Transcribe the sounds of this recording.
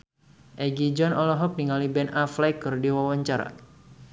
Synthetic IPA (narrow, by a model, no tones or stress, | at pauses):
ʔɛɡid͡ʒɔnɔlɔɦɔp̚niŋalibɛnaflajkərdiwawaɲt͡ʃaɾa̰